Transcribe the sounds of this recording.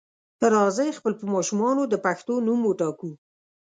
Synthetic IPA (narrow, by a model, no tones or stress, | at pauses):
t̪əɾɑzəjexpəlpəmɑʃumɑnod̪əpaxt̪onumwoʈɑku